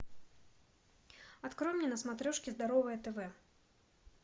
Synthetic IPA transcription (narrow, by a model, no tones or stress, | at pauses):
at̪kɾɔmnʲɛnɐsmat̪ɾɔʂkʲizd̪aɾɔvɨjɐt̪ɛvɛ